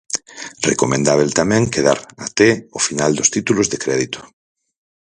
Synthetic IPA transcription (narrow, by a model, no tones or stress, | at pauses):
rekomẽnd̪aβ̞elt̪amɛ̃ŋkeð̞aɾat̪eofinald̪ost̪it̪ulozðekɾɛðit̪o̥